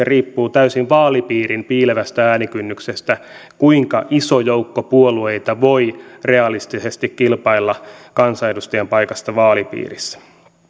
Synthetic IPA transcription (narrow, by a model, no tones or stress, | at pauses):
eriːpːuːt̪æysinʋɑːlipiːrimpiːleʋæst̪ææːnikynːyksest̪ækuiŋkɑʔisojoukːopuolueit̪ɑʋo̞ire̞ɑlist̪isest̪ikkilpɑilːɑkɑnsɑedust̪ɑjɑmpɑikɑst̪ɑʋɑːlipḭːrisːæ̥